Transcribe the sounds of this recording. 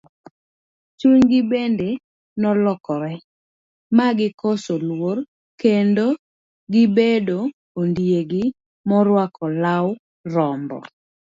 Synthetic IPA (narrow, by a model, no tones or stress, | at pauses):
t͡ʃuŋɡɪbende | nɔlɔkɔɾɛ | maɡɪkosolwor | kendo | ɡɪbedo | ondjeɡɪ | mɔɾwakʰɔlaw | ɾɔmbɔ̰